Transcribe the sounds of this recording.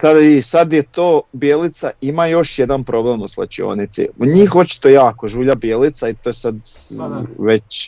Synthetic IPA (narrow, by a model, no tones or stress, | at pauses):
sad̪isad̪jet̪oːbjeːlit̪saimajo̞ʃje̞d̪anpɾo̞bleːmuslˠa̰t͡ɕio̞̰ːnit̪sḭuɲiːxo̞t͡ʃi̥t̪o̞jaːkoʒuːʎabjeːlit̪sait̪oːjesad̪ | ʋe̞t͡ɕ